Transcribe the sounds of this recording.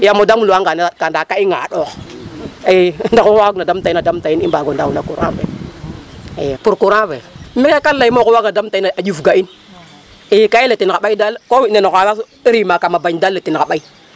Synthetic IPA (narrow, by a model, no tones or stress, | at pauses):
jamodamuluaŋɡanakandakaiŋa̰ɗox | indakuawaɡnadamtinadamtainimbaɡondawunakuɾa̰vḛ | epuɾkuɾavemikekalːaimokuwaɡnadamtaiaajuvɡain | ikailetinkaɓaidalkowinenoaa | iɾimakamabaidalːetinkaɓai